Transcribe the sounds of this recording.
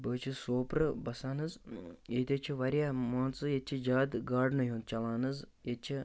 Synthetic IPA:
bəːt͡ʃʰisoːpɾɨbɐsaːnɨzjet̪ʲɐt͡ʃʰiʋɐɾjaːmaːnt͡sɨjet͡ʃʰid͡ʒaːd̪ɡaːɖnɨjũːnd̪̚t͡ʃɐlaːnɨzjet͡ʃʰi

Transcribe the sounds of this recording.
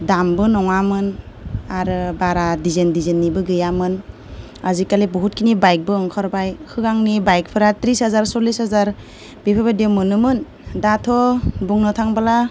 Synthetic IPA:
dambɯnɔŋamɯn | aɾɯbaɾadizendizenːibɯɡɯjamɯn | azikalebɔɦut̚kʰinibajk̚bɯɯŋkʰɔɾbajkʰɯɡaŋnibajk̚pʰɯɾatɾisazaɾsɔlishazaɾ | bipʰabademɯnɯmɯn | datʰɔbuŋnɯtʰaŋbala

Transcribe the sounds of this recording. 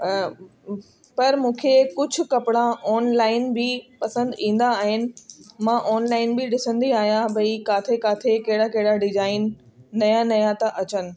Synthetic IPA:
pɐɾmũːkʰekʊd͡ʑʱʊ̆kɐpɪɽãʔɔːnlaːɪnbɪpɐsə̃nd̪ĩːn̆d̪aːɦɪnɪ̆mãʔɔːnlaːɪnbɪɗɪsə̃nd̪iaːɦijãbɐikaːt̪ʰekaːt̪ʰekɐɦɪɽakɐɦɪɽaɖɪzaːɪnː | ɐjãnɐjãt̪ɐʔɐt͡ɕənɪ̆

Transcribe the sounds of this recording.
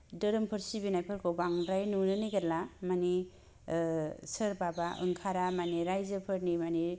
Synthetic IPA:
dɯɾɯmpʰɯɾsibinajpʰɯɾkʰobaŋɾajnunɯniɡalamani | sɯɾbabaʔɯ̰ŋkʰaɾamaniɾajzɯpʰɯɾnimani

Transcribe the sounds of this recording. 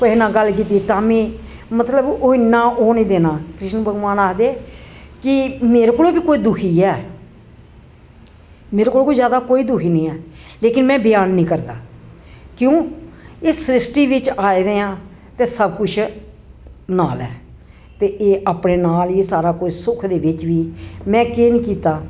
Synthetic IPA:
enãːɡəlːk̬iːt̪iet̪aːmĩː | mət̪ləboːɪnːãːʔoːnĩːd̪eːnãːkɾɪʃnəbəɡʋaːnaːkd̪eːkɪmeːɾeːkoːloːbiːkoːiːd̪ʊkʰiːɛː | meːɾekoːloːkoːizjaːd̪aːkoːiːd̪ʊkʰiːnĩːɛːleːkɪnmɛ̃ːbɪjaːnːĩːkəɾd̪aː | kjõːeːsɾɪsʈiːʋɪt͡ʃaːiːd̪eːãː | t̪eːsəbkʊt͡ʃʰ | naːlɛː | t̪eːʔeːʔaːpneːnaːlisaːɾaːkosʊkʰd̪eːʋɪt͡ʃʋiːmɛ̃ːkeːnĩːkiːt̪aː

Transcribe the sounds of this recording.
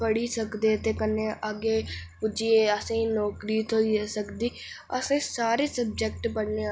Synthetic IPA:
pəɽiːsəkd̪eːt̪eːkənːeːʔaɡeːpʊd͡ʒieːəsẽːĩnɔːkɾiːt̪ʰosəkd̪iː | ə̰sẽːsaːɾeːsəb̚d͡ʒɛk̚ʈbəɳneː

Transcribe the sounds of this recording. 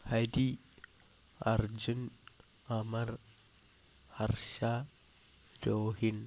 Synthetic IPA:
hadi | aɾd͡ʒun | amaɾ | haɾʃa | d̥ohin

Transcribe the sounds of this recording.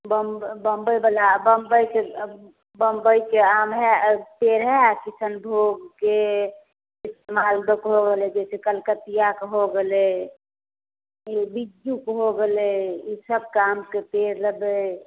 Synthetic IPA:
bəmbəmbəjbəlabəmbəjke | bəmbəjkeamɦɛpeɾɦɛkisənbʱoɡke | ɪst̪emalb̪əkɦoɡelɛd͡ʒɛsekəlkət̪ijakɦoɡele | ibid͡ʒjukɦoɡeleisəb̚kamkepeɾləbe

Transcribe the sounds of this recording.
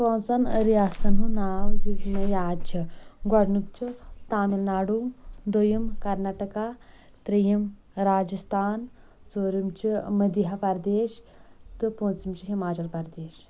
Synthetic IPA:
põːnt͡sɐnɾijaːsɐnunaːwɦiknɐjaːd͡ʒɐɡwɐɽnukt͡ʃut̪aːmilnaːɽuːd̪ojɐmkɐɾnaːʈɐka | t̪ɾijɐm | ɾaːd͡ʒɐst̪ʰaːn | t͡soːɾimt͡ʃimɐd̪iɦɐpɐɾd̪eːʃ | t̪ɨpõːnt͡simt͡ʃiɦimaːt͡ʃɐlpɐɾd̪eːʃ

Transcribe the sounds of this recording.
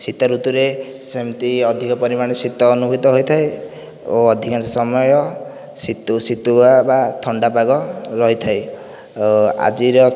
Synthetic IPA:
sit̪ɔɾut̪uɾe | semt̪iɔd̪ʱikɔpɔɾimaɽ̃esit̪ɔːnuɡit̪ɔɦojt̪ʰaj | oːd̪ʱikansɔsɔmɔjɔ | sit̪usit̪uabat̪ʰɔɳɖapaɡɔɾɔɦit̪ʰaj | a̰d͡ʒiɾɔ

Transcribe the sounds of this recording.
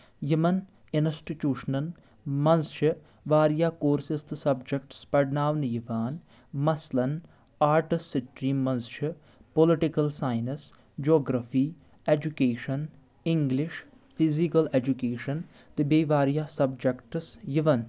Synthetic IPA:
jɪmɐn | ɪnsʈiʈjuːʃnɐn | mɐnsʃɨ | ʋaːɾijaːkoːɾsɪst̪ɨsɐbd͡ʒɐkʈspɐɽnaːʋnjɪʋaːn | mɐslɐn | aːɾʈɪsɪʈɾiːmːɐ̃nsʃɨ | polɪʈɪkɐlsaːjnɐs | d͡ʒoːɡɾɐfiː | ed͡ʒukeːʃɐn | ɪŋɡlɪʃ | pʰizikɐled͡ʒukeːʃɐn | t̪ɨbeːʋaːɾjaːsɐbd͡ʒɐkʈsjɪʋɐn

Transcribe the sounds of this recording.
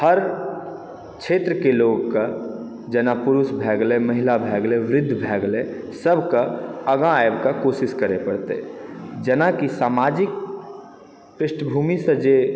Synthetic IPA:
həɾ | kt͡ʃʰeːt̪ɾəkeloːɡka | d͡ʒənapʊɾʊsbʱɛːɡleməɦɪlabʱɛːɡleʋɾɪd̪ʱːbʱɛːɡlẽ | səbʱkaəɡãjbkakoːsɪskəɾepəɽt̪ḛd͡ʒənakisaːmaːd͡ʒɪk̚ | pɾɪʃʈʰəbʱuːmisə̃d͡ʒe

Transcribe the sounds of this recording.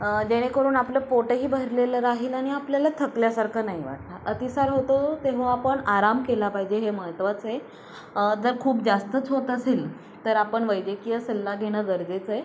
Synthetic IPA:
d͡ʑeɽ̃ekəɾuːnapləpoʈəɦiːbʱəɾleləɾaɦiːlaɽ̃iapljalat̪ʰəkljasaɾkʰəːnaɦiʋa̰ʈ̚laʔət̪isaɾɦot̪ot̪eʋ̤oapəɳaɾamkelapaɦid͡ʑeɦeməɦət̪ʋat͡se | d͡zəɾkʰuːp̚d͡zast̪ət͡sɦot̪aseːl | t̪əɾapəɳʋəjd͡ʑekijəsəlːaɡʱeɽ̃əːɡəɾd͡zet͡səe

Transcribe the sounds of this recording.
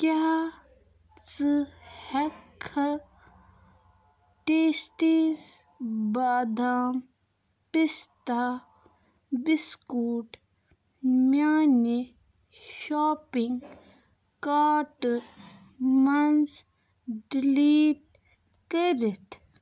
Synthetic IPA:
kjaː | t͡sɨhɛkʰɐ | ʈeːsʈiz | baːd̪aːm | pist̪a | biskuːʈ | mjaːni | ʃaːpiŋɡ | kaːʈ | mɐnz | ɖiliːʈ | kɐɾit̪ʰ

